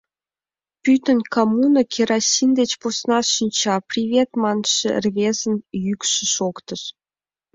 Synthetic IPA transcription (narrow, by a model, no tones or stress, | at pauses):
pyt̪ənʲkomunəkʲʰeɾɑsʲind̪et͡ɕposnɑʃinʲt͡ɕɑprʲiβʲet̪mɑnʃḛ̆rβʲezə̆njykʃə̆ʃokt̪əʃ